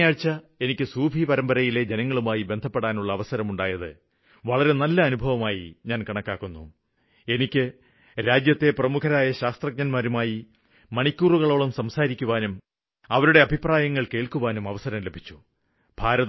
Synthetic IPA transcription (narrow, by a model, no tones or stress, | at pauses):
aːɻt͡ɕːɐ | e̞nikʲːɨsuːbʱipɐɾɐmbɐɾɐjile̞d͡ʑenɐŋːɐɭumaːjibe̞nd̪ʱɐpːeɽaːnuɭːɐːʋɐsɐɾɐmuɳɖaːjɐðɨ̰ | ʋɐɭɐɾe̞nɐlːɐːnubʱɐʋɐmaːjḭɲaːnkɐɳɐkːaːkːunːu | e̞nikʲːɨ | ɾaːd͡ʑjɐt̪ːe̞prɐmukʰɐɾaːjɐɕaːst̪rɐɡ̚ɲɐnmaːɾumaːji | mɐɳikʲːuːruɣɐɭo̞ːɭumsɐmsaːɾikʲːuʋaːnum | ɐʋɐɾuɽe̞ɐbʱipraːjɐŋːɐɭke̞ːɭkuʋaːnumɐʋɐsɐɾɐmlebʱit͡ɕːu̥ | b̥ʱaːɾɐð